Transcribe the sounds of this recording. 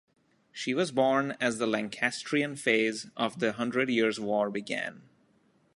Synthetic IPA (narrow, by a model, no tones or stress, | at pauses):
ʃiʋʌzbɔːɹnæzd̪əlæ̃ŋkʰæsʈʰɹiɨ̃nfeɪzʌvd̪əɦʌ̃ndɹɨɖjiɹzwɔːɹbɪɡæ̰̃n